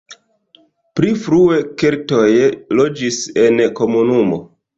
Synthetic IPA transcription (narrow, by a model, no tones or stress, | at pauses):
pɾifɾue̞ke̞ɾto̞jlo̞d͡ʒise̞nko̞munumo̞̰